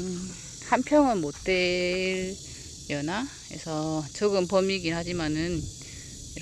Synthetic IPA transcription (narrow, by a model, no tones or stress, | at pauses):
hanpʰjʌŋɯnmot̚t͈eɾ | jʌna | ḛsʰʌt͡ɕoɡɯmpʌmiɡiɦad͡ʑimanɯn | iɾ